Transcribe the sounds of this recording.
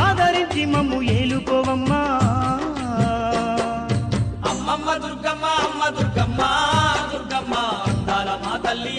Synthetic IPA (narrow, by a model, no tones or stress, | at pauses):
aːd̪ʱɐɾiɲt͡ʃimɐmujeːlukɔːʋɐmːɐ | ɐmːɐmːɐd̪uɾɡɐmːɐɐmːɐd̪uɾɡɐmːɐd̪uɾɡɐmːɐɐnd̪aːlɐmaːd̪ɐlːi